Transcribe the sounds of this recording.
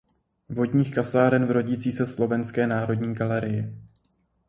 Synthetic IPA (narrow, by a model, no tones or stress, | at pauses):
vo̞dɲiːxkasaːɾɛnvɾo̞ɟiːt͡siːsɛslo̞vɛnskɛːnaːɾo̞dɲiːɡalɛɾɪjɪ